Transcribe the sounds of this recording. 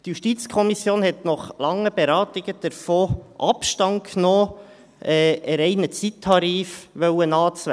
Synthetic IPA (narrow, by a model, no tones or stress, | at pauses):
tjuʃtiːt͡skʰɔmisjoːnhɛtnɔχlɑŋːəb̥ɛɾɑːt̪ɪɡəd̥əɾfoːʔɑpʃtɑŋkʰnoː | ʔɛɛɾɛɪnət͡sit̪ʰːɑɾiːfʋœwənɑːt͡sʋæ